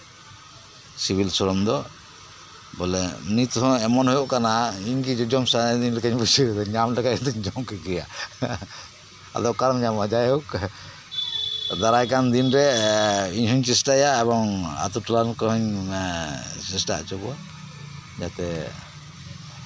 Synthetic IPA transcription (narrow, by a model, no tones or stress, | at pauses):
sibilsɔɾɔmd̪ɔ | bɔlɛnit̪hɔ̃ɛmɔnhɔjɔʔkanaiɲkid͡ʒɔd͡ʒɔmsad̪iɲlɛkaɲbusiɾd̪ɔɲamlakaɛt̪ɛɲd͡ʒɔmkikɛja | a̰d̪ɔʔkaɾmɲamad͡ʒajɔk | d̪aɾajkand̪inɾɛiɲɦɔɲt͡ʃisʈajaɛbɔŋa̰t̪uʈɔlankɔɦɔɲ | t͡ʃɛsʈa̰ʔt͡ʃɔkua | d͡ʒat̪ɛ